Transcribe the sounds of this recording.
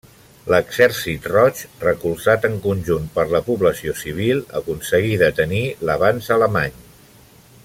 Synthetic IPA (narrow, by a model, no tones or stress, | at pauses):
ləɡz̥ɛɾsit̪rɔt͡ʃrəkulˠzat̪əŋkunʲʒunt̪pəɾləpuβləsiosiβ̞ilˠə̰kunsəɣiðət̪əniləβanzələmaɲ